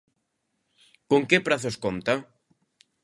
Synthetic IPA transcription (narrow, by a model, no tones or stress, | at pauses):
koŋkepɾaθoskont̪a